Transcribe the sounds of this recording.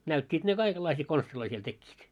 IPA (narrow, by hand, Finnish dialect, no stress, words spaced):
næytʲːiːt ne kɑikelːɑisiː konstiloi siel tekːiːt